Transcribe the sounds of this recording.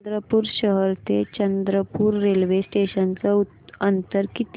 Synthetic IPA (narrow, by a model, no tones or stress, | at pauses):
d̪ɾəpuːɾɕəɦəɾt̪et͡ɕənd̪ɾəpuːɾːelʋesʈeɕənt͡səu | ənt̪əɾkit̪